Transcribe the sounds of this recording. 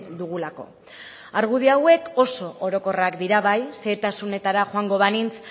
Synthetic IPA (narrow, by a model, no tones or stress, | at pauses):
d̪uɣulako̞ | aɾɣuð̞iawe̞ko̞so̞oɾo̞ko̞rakd̪iɾaβajse̞ːt̪asune̞t̪aɾaxoaŋɡo̞β̞anint͡s